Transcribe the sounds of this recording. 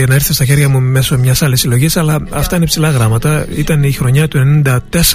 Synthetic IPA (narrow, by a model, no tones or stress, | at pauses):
ɐnɐiɾθest̪ɐçe̞ɾʝɐmume̞so̞mɲɐsɐlisilo̞ʝisɐlɐɐft̪ɐine̞psilɐɣɾɐmɐt̪ɐit̪ɐnixɾo̞ɲɐt̪uenenind̪ɐt̪e̞s